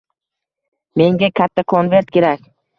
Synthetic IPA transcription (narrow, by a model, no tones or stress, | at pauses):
me̞ŋɡʲakʲʰat̪ʰːakʰonve̞ɾt̪̚kʲʰe̞ɾakʲ